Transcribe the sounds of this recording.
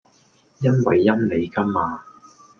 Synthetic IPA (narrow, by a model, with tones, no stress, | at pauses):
jɐ˥nwɐ˨jːɐ˥nle˨˧jkɐ˥maː˨˧